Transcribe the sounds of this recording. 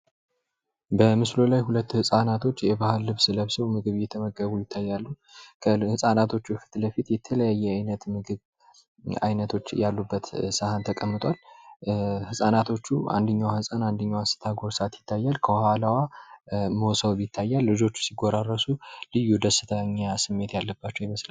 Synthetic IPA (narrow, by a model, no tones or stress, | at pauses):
bəmɨslo̞lajhulət̪ːhɨsʼanat̪ʰo̞t͡ʃːjɛbahɨlːɨβsɨləβsəwmɨɡɨβjɛt̪ʰəməɡəβujɪt̪ʰːajːalːu | kʰəhɨsʼanat̪ʰo̞t͡ʃːufi̥t̪ləfit̪jɛt̪ʰələjajːɛajnət̪mɨɡɨβ | a̰jnət̪ʰo̞t͡ʃːjalːubːət̪səhant̪ʰəkʼəmːɨt̪ʼwal | hɨsʼanat̪ʰo̞t͡ʃːua̰nd̪əɲːawhɨsʼanand̪əɲːawasɨ̥t̪ʰaɡo̞ɾsat̪jɪt̪ːajːalkʰəwhalawa | mosəwβjɪt̪ʰːajːalːɨd͡ʒo̞t͡ʃːu̥siɡʷoɾarːəsulɨjːud̪əsːɨt̪ʰaɲːasɨmːe̞t̪jalːəbːat͡ʃːɛjɪməslə